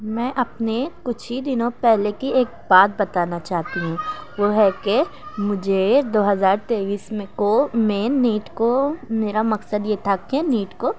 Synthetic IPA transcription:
mɛ̃ːʔɐpnekʊt͡ʃʰid̪ɪnõpɛɦlekieːk̚baːt̪̚bɐt̪aːnat͡ʃaːɦt̪iɦũʋoɦɛkemʊd͡ʒʱed̪oːɦɐzaːɾt̪eːʋiːsmẽkomẽniːʈkomeːɾamɐksəd̪jet̪ʰakɛ̃niːʈko

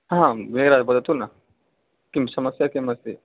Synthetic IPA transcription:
ɦãmeɾad͡zbəd̪ət̪una | kimsɐməsjakimɐst̪i

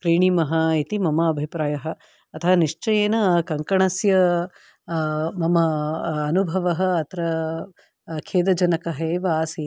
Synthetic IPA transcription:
kɾiːɳimɐɦɐit̪imɐmɐːbʱipɾaːjɐɦɐ | ɐt̪ʰɐʋɐniʂt͡ʃɐjeːnɐkɐŋkɐɳɐsjɐ | mɐmɐːnubʱɐʋɐɦɐɐt̪ɾɐ | kʰeːd̪ɐd͡ʒɐnɐkɐɦeːʋaːsi

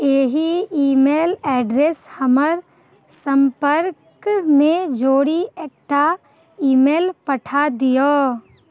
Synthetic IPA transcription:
eːɦiiːmeːlɛːɖɾeshɐməɾ | sə̃mpəɾkmẽd͡ʒoːɽieːk̚ʈa | iːmeːlpəʈʰad̪ijoː

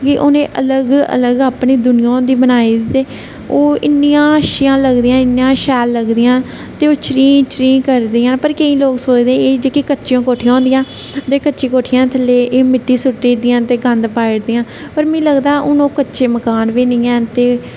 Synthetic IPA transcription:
kɪʔoːnẽːʔələɡə̰ləɡaːpniːd̪ʊnɪjãːd̪iːbənaːiːt̪eː | oːɪnːɪjãːəʃɪjãːləɡd̪ijãːɪnːjãːʃɛːlːəɡd̪ɪjãː | t̪eːoːt͡ʃɾiːt͡ʃɾĩːkəɾd̪iːãːpəɾkəĩːloːksoːt͡ʃd̪ẽeːd͡ʒeːkikətːt͡ʃʃjõːkoːʈʰijãːnd̪ɪijãː | t̪eːkətːʃiːkoːʈʰɪjãːt̪ʰəleːʔeːmɪʈːiːsʊʈːiːd̪ɪjãːt̪eːɡənd̪paːɪɽd̪iːãː | pəɾmɛ̃ːləɡd̪aːʔʊnõːkətːʃeːməkaːnʋiːnɪ̃ːɛ̃ːt̪eː

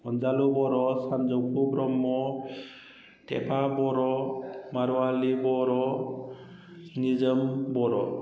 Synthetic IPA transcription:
ɔnd͡ʒalubɔɾɔsand͡ʒɔkʰubɾɔmːɔ | tɛ̰pʰabɔɾɔmaɾɔalibɔɾɔ | nizəmbɔɾɔ

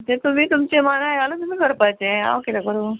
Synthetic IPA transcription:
t̪ẽt̪um̤iːt̪umt͡semanajalot̪um̤iːkəɾpajt͡sẽa̰wkelaɡəɾo

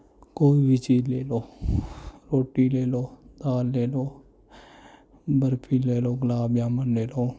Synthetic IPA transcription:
koːiːbɪt͡ʃiːleːloː | ɾoːʈiːleːloːd̪aːlːeːloː | bəɾpʰiːleːloːɡlaːbjaːmənleːloː

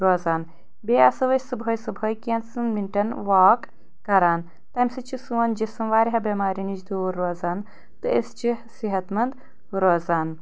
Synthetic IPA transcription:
ɾoːzaːn | beːɐsɐʋɐsɨbʱɐːjsɨbʱɐːjkʲensɨnminʈɐnʋaːkː | ɐɾaːn | t̪ɐmʲsɨt͡ʃʰisuɐnd͡ʒisɨmʋaːɾʲɦɐbɐmaːɾinid͡ʒd̪uɾːoːzaːn | t̪ɨist͡ʃʰisiɦɐt̪mɐnd̪ | ɾoːzaːn

